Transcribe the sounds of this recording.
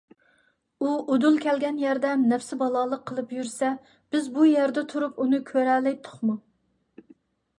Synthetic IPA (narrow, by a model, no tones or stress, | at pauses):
uʔod̪ulˠkʲʰɛlɡʲɛnjɛɾd̪ɛmnɛfsɪbɑlˠɑːlˠəqʰːəlˠɨpjyɾsɛ | b̥ɪzbujɛɾd̪ɛt̪ʰuɾupunɨkʲʰøɾælɪt̪ʰʊ̥χmu